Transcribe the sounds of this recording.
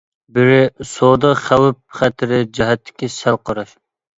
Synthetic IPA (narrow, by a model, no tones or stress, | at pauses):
bɪɾɪsod̪ɑχæwɪp̚χæt̪ʰɪɾɪd͡ʒɛɦɛt̪ʰːɪ̥kʲisælˠqʰɑɾɑʃ